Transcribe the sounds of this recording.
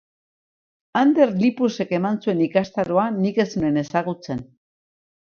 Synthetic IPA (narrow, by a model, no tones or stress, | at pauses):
and̪e̞ɾlipuse̞ke̞mansue̞nikast̪aɾoanike̞sune̞ne̞saɣut͡se̞n